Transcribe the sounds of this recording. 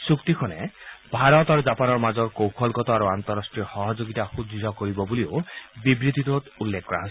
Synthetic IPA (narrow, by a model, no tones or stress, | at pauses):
sukt̪ikʰɔnebʱaɾɔt̪aɾud͡ʒapanɔɾmad͡ʒɔɾkowpʰɔlɡɔt̪ɔaɾuant̪ɔɾasʈɹixɔɦɔd͡ʒoɡit̪axud̪ʱiɾɔkoɾibɔbuliobibɾid̪ʱit̪ot̪ulːekʰːkɔɾa̰ɦɔsi